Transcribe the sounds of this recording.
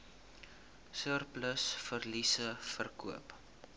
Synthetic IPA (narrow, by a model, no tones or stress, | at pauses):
sərpləsfərlisəfərkuəp